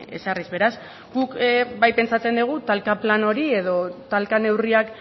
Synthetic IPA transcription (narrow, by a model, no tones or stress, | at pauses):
e̞̰sarizβe̞ɾaz | ɡukbajpe̞nt͡sat͡se̞nd̪uɣ̞ut̪alkaplano̞ɾie̞ðo̞t̪alkane̞wriak